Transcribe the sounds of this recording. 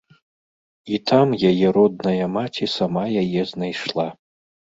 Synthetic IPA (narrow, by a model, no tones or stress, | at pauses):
it̪ʰamjajɛɾɔd̪̚nɐjɐmatʲʰisamajajɛznajʂlˠa